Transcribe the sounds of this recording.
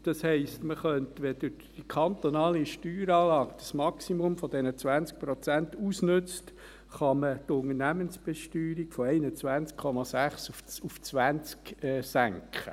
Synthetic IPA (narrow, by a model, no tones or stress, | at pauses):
d̥ɑshɛɪstməχœntʋɛd̥ɪ | d̥ikʰɑnt̪onɑːliʃtyːɾɑːlɑːɡd̥ɑsmɑksimʊmfɔd̥ɛnət͡sʋænt͡sk̚pɾɔt͡sænt̪usnɵt͡st | χɑmətʊŋənæmənsb̥ɛʃtyːɾikfɔɛɪnət͡sʋænt͡skʰχɔmɑsæχsufuft͡sʋænt͡skɛsæŋkχə̰